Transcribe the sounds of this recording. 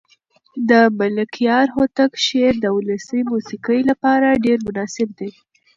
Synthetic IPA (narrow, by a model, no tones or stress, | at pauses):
d̪əmalɪkʰijɑɾhot̪akʃeɾd̪əwʊləsəjmusikəjlapɑɾaɖeɾmʊnɑsɪb̚d̪e